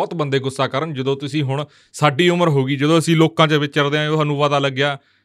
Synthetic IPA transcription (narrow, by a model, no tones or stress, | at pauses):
ɔːt̪bənd̪eːɡʊsaːkəɾənd͡ʒəd̪õːt̪ʊsĩːɦʊɳ̃ | saːɖiːʊməɾɦoːɡiːd͡ʒəd̪õːəsĩːloːkãːt͡ʃəʋɪt͡ʃt͡ʃəɾd̪eãʊsãːnũːʋaːd̪aːləɡːjaː